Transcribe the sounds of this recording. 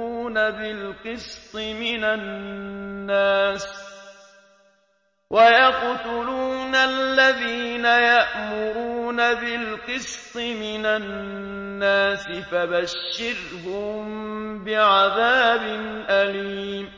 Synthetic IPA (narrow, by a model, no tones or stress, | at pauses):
uːnabɪlqɨst̪ˤɨmɪnanː | aːs | wʔajɑqt̪ʊluːnalːaðiːnajaʔmʊɾuːnabɪlqɨst̪ˤɨmɪnanː | aːsɪfabaʃːɪɾ | hʊmbɪʕaðaːbɪnʔaliːm